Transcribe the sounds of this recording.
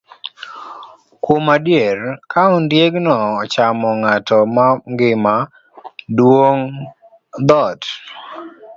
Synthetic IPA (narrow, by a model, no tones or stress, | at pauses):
kwomadjerkʰaundjeɡnɔːt͡ʃamɔŋatɔmaŋɡɪma | dwoŋ | d̪ɔt